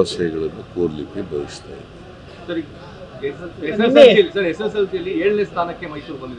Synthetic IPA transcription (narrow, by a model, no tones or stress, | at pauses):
ɐsɐjɐɡɐɭɐnːukoːɾlikːebʱɐʋist̪aːjḭd̪e | sɐɾi | eseijɐlːisɐɾeses̬ɐlkijɐlːieːɭnest̪ʰaːnɐkːe̞mɐɦjsuːɾboɳdid̪e